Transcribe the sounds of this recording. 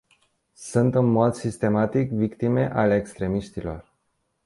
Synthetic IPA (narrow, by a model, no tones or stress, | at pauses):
sɨnt̪ɨnmo̞d̪sist̪e̞mat̪ikvikt̪ime̞ʔale̞ːkst̪ɾe̞miʃt̪ilo̞̰r